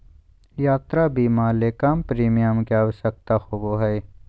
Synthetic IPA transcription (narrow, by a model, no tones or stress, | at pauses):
jaːt̪ɾabiːmaːleːkaːmpɾiːmijəmkeaːwəʃək̚t̪axoboɦəe